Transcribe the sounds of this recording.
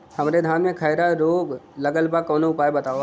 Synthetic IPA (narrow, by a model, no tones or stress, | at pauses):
hɐmɾed̪ʱaːnmẽkʰəɪɾaɾoːɡləɡəlbakɔːnoʊpaːebɐt̪aːo